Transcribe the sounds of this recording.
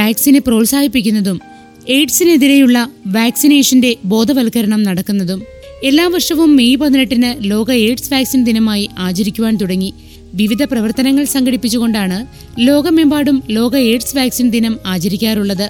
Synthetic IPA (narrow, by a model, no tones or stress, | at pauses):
ʋaːksinepro̞ːlsaːɡipːikʲːunːɐðum | eːʈsine̞ðiɾejuɭːɐʋaːksine̞ːʂɐnde̞bo̞ːd̪ɐʋɐlkɐɾɐɳɐmnɐɽɐkːunːɐðum | e̞lːaːʋɐrʂɐʋumːejpɐnnɐʈːinɨlo̞ːɡɐeːʈsʋaːksind̪inɐmaːjiʔaːt͡ɕɐɾikʲːuʋaːnt̪uɽɐŋːi | ʋiʋid̪ʱɐprɐʋɐrt̪ɐnɐŋːɐɭsɐŋɡɐɽipːit͡ɕːuɣo̞ɳɖaːɳɨ | lo̞ːɡɐme̞mbaːɽumlo̞ːɡɐe̞ːʈsʋaːksind̪inɐmaːt͡ɕɐɾikʲːaːruɭːɐðɨ